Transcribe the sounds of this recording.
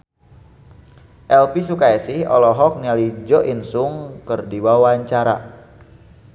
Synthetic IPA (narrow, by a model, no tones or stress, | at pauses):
ʔɛlpisukaɛsɪhɔ̰lɔɦɔk̚nialid͡ʒɔʔinsʊŋkərdiwawaɲt͡ʃaɾa̰